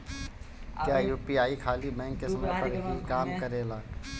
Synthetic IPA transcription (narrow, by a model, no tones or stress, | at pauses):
kjaːjuːpiaːikʰaːlibɛ̃ɦŋkesɐməɾpəɾɦikaːmkəɾeːlaː